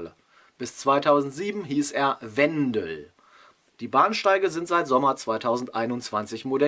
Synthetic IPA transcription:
lə | b̥ɪst͡sv̥aɪtʰaʊzn̩tz̥iːbm̩ɦiːseːɐvɛndəl | d̥iːbaːnʃtaɪɡəzɪntz̥aɪtz̥ɔmɐt͡sv̥aɪtʰaʊzn̩tʔaɪnʊntt͡sv̥ant͡sɪçmodɛ

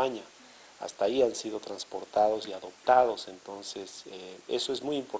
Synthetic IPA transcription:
aɲa | a̰st̪aiansiðo̞t̪ɾanspo̞ɾt̪aðo̞siaðo̞p̚t̪aðo̞se̞nt̪o̞nseseḛsoezmujimpoɾ

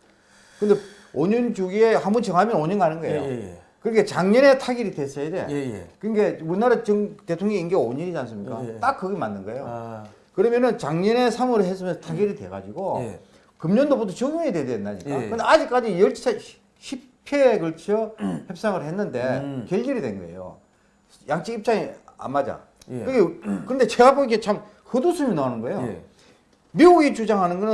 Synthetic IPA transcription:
kɯnde | oɲɯnd͡ʑuɡie̞hamunt͡ɕʌŋɦamjʌnoɲʌnɡaanɯnɡʌe̞jo̰ | kɯɾŋɡet͡ɕaŋɲʌne̞tʰaɡiɾidwes͈ʌide̞̰kɯnɡe̞uɾinaɾat͡ɕɯŋte̞tʰoŋɲʌŋinɡeoɲiɾid͡ʑans͈ɯmɲik͈a̰t͈ak̚k͈ːɯɡemanːɯnɡʌe̞jo̰ | kɯɾʌmjʌnɯnt͡ɕaŋɲʌne̞sʰamɯɾɯɭhes͈ɯmʌnsʰʌtʰaɡiɾidwe̞ɡa̰d͡ʑiɡo | kɯmɲʌndobotʰot͡ɕɯɡuɲededejʌnːaɲik͈a̰kɯndead͡ʑik͈ad͡ʑijʌɭt͡ɕt͡ɕʰe | ɕʰi | pʰekɯɭt͡ɕʰʌhep̚s͈aŋɯɭhenːɯnde̞kjeʎd͡ʑiɾidwe̞nɡʌḛjo̰ | jaŋt͡ɕ͈ʰiip̚t͡ɕ͈aŋia̰mːad͡ʑa̰ | ɯɡekɯɾʌnde̞t͡ɕeɡaboiket͡ɕʰam | hɯdusʰɯminawanɯnɡʌejo | miuɡit͡ɕud͡ʑaŋɦanɯnɡʌnɯ

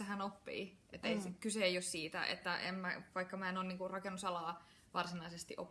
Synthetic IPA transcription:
eɦænopːḭːʔet̪ːeiskyseːjjossiːt̪æ̰ʔḛt̪ːæʔḛmmæʋɑikːɑmæenoːnniːŋkurrɑkenːusɑlɑː | ʋɑrsinɑisest̪ḭʔo̰p

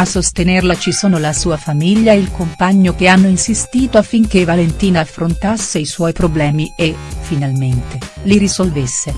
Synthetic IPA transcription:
asːost̪enerlat͡ʃisoːnolasuːafamiʎːaeilkompaɲːok̟eanːoinsist̪iːt̪oafːiŋk̟evalent̪iːnaːfːɾont̪asːeiswɔjpɾoblɛːmiefinalment̪eliɾizolvesːe

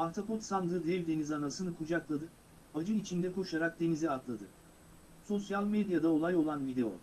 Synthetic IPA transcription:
aɾt̪ʰapʰo̞t̪sand̪ɯd̪ɛvʲd̪e̞nizanasɯnɯkʰud͡ʒaklˠad̪ɯ | ad͡ʒɯit͡ʃʰind̪ɛkʰo̞ʃaɾak̚d̪e̞niziat̪lˠad̪ɯ | so̞sjalʲˠmed̪jad̪ao̞lˠajo̞lˠanvid̪e̞o̰

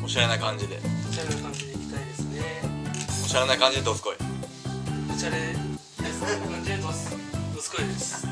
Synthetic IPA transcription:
oɕaɾe̞naikãɲ̟d͡ʑid̪emeɕaɾenakãɲd͡ʑid̪eikʲi̥t̪aid̪esɨne | oɕaɾe̞naikãɲ̟d͡ʑid̪et̪osɨ̥ko̞i | beɕaɾe | d̪esɨnekãɲd͡ʑid̪et̪ososɨ̥koid̪esɨ̥

